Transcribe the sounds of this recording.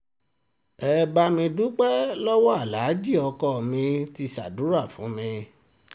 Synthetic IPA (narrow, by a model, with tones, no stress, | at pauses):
ɛ˧ba˧mĩ˧du˦k͡pɛ˦lɔ˦wɔ˦a˦˨la˨˦d͡ʒi˦˨ɔ˧kɔ˦˨mĩ˧ti˧sa̰˨du˨˦ɾa˦˨fũ˨˦mĩ˧